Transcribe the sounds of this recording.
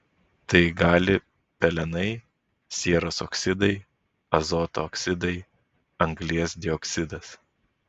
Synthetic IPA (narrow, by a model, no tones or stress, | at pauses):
t̪ɐɪɡɑːlʲɪ | pʲɛlʲɛnɐɪ | sʲeːɾoːsɔksʲɪd̪ɐɪ | ɐzoːt̪oːksʲɪd̪ɐɪ | ɐŋɡlʲiɛsd̪ʲɪɔksʲɪd̪ɐs